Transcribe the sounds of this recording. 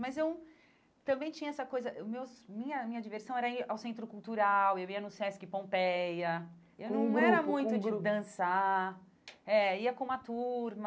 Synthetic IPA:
mɐjzew | t̪ɐ̃mbẽj̃t͡ʃĩɲɐɛsɐkojzɐʔʊmewsmĩɲɐmĩɲɐd͡ʒiveɾsɐ̃w̃ɛɾɐiʔawsẽnt̪̬ɾʊkuwt̪uɾawewiɐnũsɛsʊ̥kɪpõpejɐ | ew̪ɐ̃w̃ɛɾɐmũj̃t̪ʊd͡ʒɪd̪ɐ̃sa | ɛiɐkõũmɐt̪uɾmɐ

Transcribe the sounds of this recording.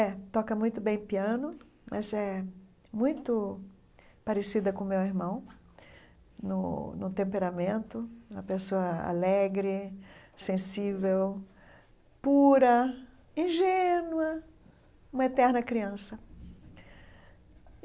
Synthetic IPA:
ɛt̪ɔkɐmũj̃t̪ʊbẽj̃piɐ̃nʊ | mʔɐzɛ | mũj̃t̪ʊ | paɾesid̪ɐkõmewiɾmɐ̃w̃ | nʊnʊt̪ẽmpeɾamẽnt̪ʊũmɐpesoɐa̰lɛɡɾɪsẽsivew | puɾɐ | ĩʒenwɐ | ũmɐet̪ɛɾnɐkɾiɐ̃sɐ

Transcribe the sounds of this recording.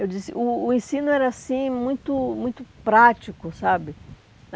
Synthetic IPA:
ewd͡ʒisɪ̰ʔʊːẽsĩnʊɛɾɐasĩmũj̃t̪ʊmũj̃t̪ʊpɾat͡ʃikʊsabɪ

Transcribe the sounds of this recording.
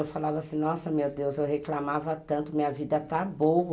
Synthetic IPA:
ewfalavɐasĩnɔsɐmewd̪ewzewɦeklamavɐt̪ɐ̃nt̪ʊmĩɲɐvid̪ɐt̪abowɐ

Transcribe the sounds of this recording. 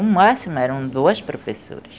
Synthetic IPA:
ũmasimʊɛɾɐ̃w̃d̪oɐspɾofeso̰ɾɐs

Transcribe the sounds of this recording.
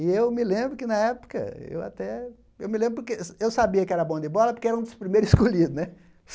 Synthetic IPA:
ɪewmɪlẽbɾʊkɪnɐɛpʊ̥kɐ̰ḛwa̰t̪ɛ | ewmɪlẽbɾʊp̬oɾkeewsabiɐkɪɛɾɐbõd̪ɪbɔlɐpoɾkeɛɾɐ̃ũd̪ʊspɾimejɾʊzɪskoʎid̪ʊnɛ

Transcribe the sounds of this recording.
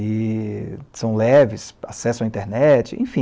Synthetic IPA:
ɪ | sɐ̃w̃lɛvɪsasɛsõɐĩnt̪eɾnɛt͡ʃɪḛ̃j̃fĩ

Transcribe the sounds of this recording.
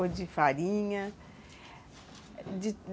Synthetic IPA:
od͡ʒifaɾĩɲɐ | d͡ʒi

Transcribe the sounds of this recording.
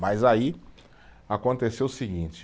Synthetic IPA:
majzai | akõnt̪esewʊsiɡĩnt͡ʃɪ

